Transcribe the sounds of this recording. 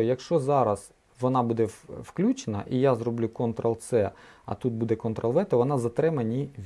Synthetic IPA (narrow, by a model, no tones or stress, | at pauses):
jɐkʃt͡ʃɔzɑɾɐz | ʋɔnɑbud̪ɛwklʲut͡ʃenɐ̰ʔijazɾrɔblʲukɔnt̪ɾɐlˠsɛɐ̰t̪ut̪̚bud̪ɛkɔnt̪ɾɐlˠʋɛt̪ɐʋɔnɑzɐt̪ɾɛmɐnʲiʋʲ